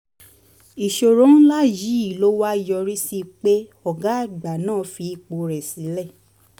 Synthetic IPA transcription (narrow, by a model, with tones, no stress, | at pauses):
i˨ʃo˨ɾõ˨˦n˦la˦˨ji˨˦i˦˨lo˦wa˦i˨jɔ˧ɾi˦si˧k͡pe˦ɔ˨ɡa˨˦˨ɡ͡ba˨nãː˦˨fi˧i˧k͡po˧ɾɛ˨si˨˦lɛ˦˨